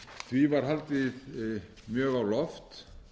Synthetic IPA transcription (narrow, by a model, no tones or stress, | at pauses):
θvivaɾ̥ɦalt̪ɪð | mjœːɣawlɔft̪